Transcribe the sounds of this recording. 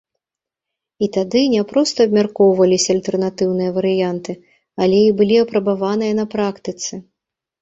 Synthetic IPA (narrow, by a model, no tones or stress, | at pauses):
it̪ad̪ɨnʲɛpɾɔst̪ɐːb̚mʲarkɔwvɐlʲisʲɐːlʲt̪ɛrnat̪ɨwnɨjɐvɐɾɨjant̪ɨ | alʲɛibɨlʲiɐpɾɐbavan̪ɨjɐnɐpɾakt̪ɨt̪sɨ